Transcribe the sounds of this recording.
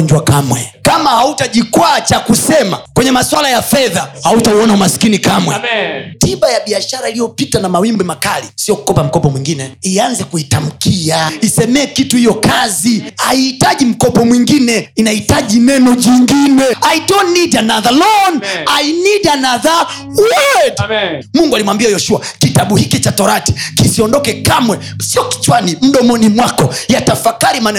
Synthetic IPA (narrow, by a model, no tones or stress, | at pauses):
ɲd͡ʒwakamwɛ̰kamahautaʄikwat͡ʃakusɛma̰kwɛɲɛmaswalajafɛðahautauɔnaumasi̥kinikamwɛtiɓajaɓiaʃaɾailijɔpitanamawimbɛmakalisiɔku̥kɔpam̩kɔpɔmwiŋɡinɛianzɛkuitam̩kʰiaisɛmɛːkituhijɔkaziaiːtaʄim̩kɔpɔmwiŋɡinɛinahitaʄinɛnɔʄiŋɡinɛaidɔnːidanaðalɔnainidanaða | wɛdmuŋɡualimwambiajɔʃuakitaɓuhikit͡ʃatɔɾati̥kisiɔndɔkɛkamwɛ | siɔki̥t͡ʃwanim̩ɗɔmɔnimwakɔjatafakaɾimanɛ